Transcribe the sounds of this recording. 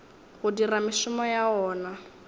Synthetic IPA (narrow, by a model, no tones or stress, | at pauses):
ɣʊdiramɪʃʊmɔjaɔːna